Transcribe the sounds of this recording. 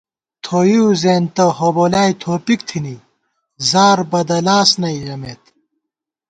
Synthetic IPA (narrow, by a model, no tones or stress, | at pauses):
t̪ʰoːjiuwzeːnt̪ɐɦoːboːlaːjt̪ʰoːpikt̪ʰini | zaːɾbɐd̪ɐlaːsnɐiʁɐmeːt̪